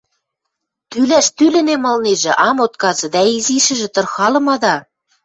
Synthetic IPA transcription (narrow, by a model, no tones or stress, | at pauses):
t̪ylæʃt̪ylɘ̆nemɤ̆lneʒĕʔɑmot̪̚kɑzɤ̆d̪æiziʃɘ̆ʒĕt̪ɤ̆rxɑlɤ̆mɑd̪ɑ